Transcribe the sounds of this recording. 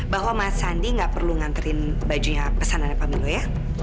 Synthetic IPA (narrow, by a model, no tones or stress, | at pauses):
baɦwamasandiŋɡaʔpərluŋant̪əɾɪnbad͡ʒuɲapəsananapamiŋoja